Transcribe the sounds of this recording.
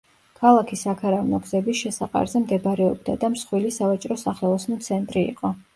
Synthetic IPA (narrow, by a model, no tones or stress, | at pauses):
kʰalˠakʰisakʰaɾavnɔɡzɛbisʃɛsaqʼa̰ɾzɛmd̪ɛbɾɛɔbd̪ad̪amsχwilisavat͡ʃʼɾɔsaχɛlˠɔsnɔt̪sʰɛnt̪ʼɾḭːqʼɔ